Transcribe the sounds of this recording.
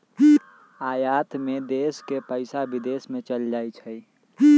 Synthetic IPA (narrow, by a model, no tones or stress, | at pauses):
aːjaːt̪mẽd̪eːskepəɪsabɪd̪eːsmẽt͡ʃəld͡ʒaːit͡ʃʰəi